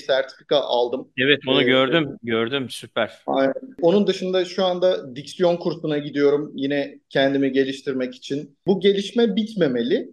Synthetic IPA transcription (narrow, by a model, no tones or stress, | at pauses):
sæɾt̪ʰi̥fikʰaʔalˠd̪ɯmɛvɛt̪̚bonuɟøɾd̪ymɟøɾd̪ymsypʰæɾ̥anɛo̞nund̪ɯʃɯnd̪aʃuand̪ad̪icsjo̞nkʰuɾsunaɟid̪ijo̞ɾumjinɛcʰɛnd̪imiɟe̞lʲiʃt̪ʰiɾmɛci̥t͡ʃʰin | buɟe̞lʲiʃmɛbit̪me̞me̞lʲɪ